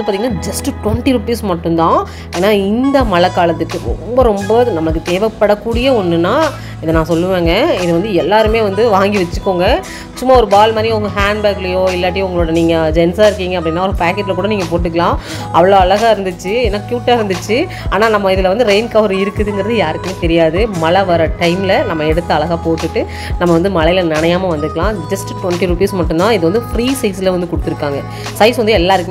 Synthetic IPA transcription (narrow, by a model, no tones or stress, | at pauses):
ɯpaːɾt̪iŋɡɐnaːd͡ʒɐsʈʈʋɛɳʈiɾʊpiːsmɐʈːɯ̃nt̪ãː | eːnːaːɪnd̪ɐmɐlɐkːaːlɐt̪ːɯkːɯɾɔ̰mbɐɾɔmbɐnɐmːɐɭɯkːɯt̪eːʋɛpːɐɽɐkːuːɽɪjɐɔnːɯnːaː | ɪðɐnãːsɔlːɯʋeːŋɡɐɪðɯʋɐnd̪ɯɛlːaːɾɯmeːʋɐnd̪ɯʋaːŋɡiʋɐt͡ʃːɯkːoːŋɡɐ | t͡ʃʊmːaːɔɾɯbaːlmaːɾiʊŋɡɐɦaːɳɖbaːkɪlɐjoːɪlːɐːʈ̬ːiʊŋɡɐɭoːɽɐniːŋɡɐd͡ʒɛnsaːɪɾɯkːiːŋɡɐp̬ːɐɽɪnːaːɔɾɯpaːkɛʈːɪlɐkuːɽɐniːŋɡɐp̬oːʈːɯk̬ːɐɭãː | ɐʋɐɭoːɐɭɐɣaːɪɾɯnd̪ɯt͡ʃːɯɛnːaːkjuːʈːaːɪɾɯnd̪ɯt͡ʃːɯ | aːnaːnɐmːɐɪðɯlɐʋɐnd̪ɯɾeɪnkɐʋɐɾɯɪɾɯkːɯðɯŋɡɪɾɐðɯjaːɾɯkːɐmẽt̪ɛɾɪjaːðɯmɐlɐʋɐɾɐʈɐɪmɪlɐnɐmːɐɛɽɯt̪ːɐɐɭɐɣaːpoːʈ̪ːɯʈːɯ | nɐmːɐʋɐnd̪ɯmɐɭɐjɪlɐnɐɳɐjaːmɐʋɐnd̪ɯɾkːɐɭãːd͡ʒɐsʈʈʋɛɳʈiɾuːpiːsmɐʈːɯmd̪ãːɪðɯʋɐnd̪ɯfɾiːsɐɪslɐʋɐnd̪ɯkɔɽɯt̪ːɪɾɯkːaːŋɡɐ | sɐɪsʋɐnd̪ɯɛlːaːɪɾɯkː